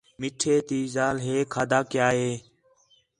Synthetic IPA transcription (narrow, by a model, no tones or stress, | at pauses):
mɪʈʰeːt̪iːzaːlɦeːkʰaːd̪ʱaːkɪjaːɦeː